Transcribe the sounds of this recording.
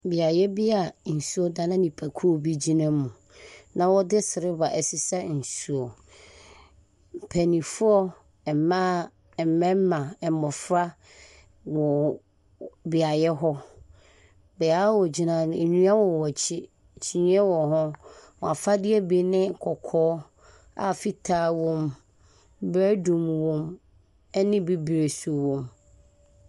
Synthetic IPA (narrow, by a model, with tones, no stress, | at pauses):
bi˨a˨jɛ˦bi˦a˨n̩˨su˦ɔ˦dã˨nã˦nĩ˨pʰa˨kʰu˦o˦˨bi˦d͡ʑi˦nã˦mũ˨ | nã˨wɔ˦dɪ˦sɪ˨ɾɪ˦ba˨ʔɛ˨si˨sa˦n̩˨su˦ɔ˨ | m̩˨pʰæ˨nĩ˨fʊ˦ɔ˦ | ɛ˨mã˦˨ | mɛ̃˦m˦mã˨ɛ˨˦mɔ˨fɾa˦ | wɔ˨ | bi˨a˨jɛ˦ɦɔ˦ | bɛ˨a˨˦wɔ˨d͡ʑi˨nã˨ñ˨nũ˦a˦wɔ˨wɔ˨t͡ɕʰɪ˦˨ | t͡ɕʰi˨ɲĩ˦ɛ˦wɔ˨ɦʊ̃˦wɔ˨a˨fa˦dɪ˦ɛ˦be˨nɪ̃˦˨kʰɔ˨kʰɔː˨˦ | a̰˨fi˦tʰaː˨˦˨wɔ̃˨m˦ | bɾæ˦dũ˨mwɔ̃˨m | ɛ˦nɪ̃˦be˦be˨su˨wɔ̃˨m